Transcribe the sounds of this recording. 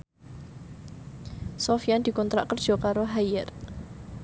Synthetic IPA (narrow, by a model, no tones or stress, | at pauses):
sɔfijand̪̥i̤kɔnt̪ɾa̰ʔkərd̥ʒ̥ɔ̤kaɾoɦajɛr